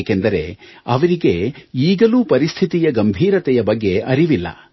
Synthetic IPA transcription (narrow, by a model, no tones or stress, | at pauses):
kend̪ɐɾe̞̰ɐʋɐɾiɡe̞iːɡɐluːpɐɾist̪ʰit̪ijɐɡɐmbʱiːɾɐt̪ɛjɐbɐɡːe̞ʔɐɾiʋilːɐ̰